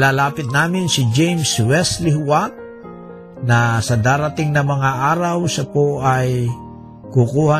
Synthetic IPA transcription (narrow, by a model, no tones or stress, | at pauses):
laːlaːpɪt̪̚naːmɪnsɪd͡ʒɛjmswɛslɪhwat̪̚ | nɐsɐd̪aːɾɐt̪ɪŋnɐmɐŋaʔaːɾawsɐpoʔɐj | kʊkuːha